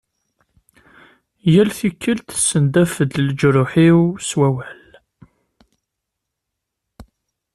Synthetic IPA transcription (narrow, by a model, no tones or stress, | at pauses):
jælθikʰːəlt̪sːənd̪æfəd̪ld͡ʒɾʊħiwswæwæl